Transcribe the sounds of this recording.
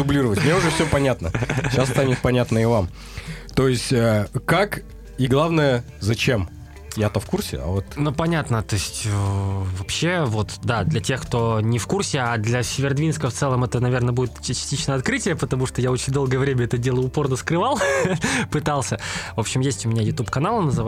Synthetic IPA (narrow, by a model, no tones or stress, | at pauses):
d̪ʊblʲiɾəvətʲmnʲeʊʐɛfsʲɵpɐnʲat̪nə̰ɕast̪anʲɪt̪̚pɐnʲat̪nəɪvam | t̪o̞ɪsʲtʲəkak | iɡlˠavnəjə | zɐt͡ɕem | jat̪əfkursʲɪ̰a̰vot̪nupɐnʲat̪nət̪o̞sʲtʲəvɐpɕːe̞vo̞t̪d̪ad̪lʲɐtʲe̞xkt̪o̞nʲɪfkursʲɪad̪lʲɐsʲɪvʲɪrd̪vʲinskəft̪sɛlˠəmɛt̪ənɐvʲe̞rnəbudʲɪt̪t͡ɕɪsʲtʲit͡ɕnəjəɐt̪kɾɨtʲɪjəpət̪ɐmuʂt̪ojao̞t͡ɕɪnʲd̪o̞lˠɡəjəvɾʲemʲəɛt̪ədʲe̞lˠəʊpo̞rnəskɾɨvalˠpɨt̪alˠsʲəvo̞pɕɪmjesʲtʲʊmʲɪnʲajʊt̪upkɐnalˠənəzɨva